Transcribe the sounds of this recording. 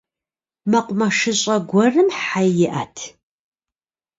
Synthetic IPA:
mɐqʷʊmɐʂɨɕʼɐɡʷɔrɨmħajjɪʔaːtʰ

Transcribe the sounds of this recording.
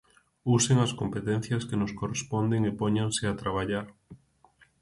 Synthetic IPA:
useŋɐskompet̪ɛn̟θjɐskenʊskorespɔnd̪eŋepoɲaŋsɪat̪ɾaβaʎaɾ

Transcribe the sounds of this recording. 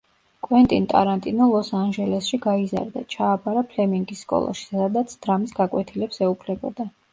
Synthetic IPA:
kʼwɛnt̪ʼint̪ʼa̰ɾant̪ʼinɔlˠɔsanʒɛlɛsʃiɡaiza̰ɾd̪a̰t͡ʃʰaːbaɾapʰlɛmiŋɡisːkʼɔ̰lˠa̰ʃi̥ad̪at̪sʰd̪̥ɾamisɡakʼwɛt̪ʰilɛpsɛupʰlɛbɔd̪a

